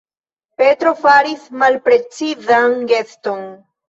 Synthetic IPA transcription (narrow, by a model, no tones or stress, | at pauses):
pe̞tɾo̞faɾismalpɾe̞t͡sizanɡe̞sto̞n